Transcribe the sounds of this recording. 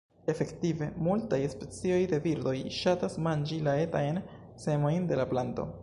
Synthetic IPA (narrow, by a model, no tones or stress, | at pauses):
e̞fe̞ktive̞multajspe̞t͡sio̞jde̞viɾdo̞jʃatasmand͡ʒilae̞tajn | se̞mo̞jnde̞laplanto̞̰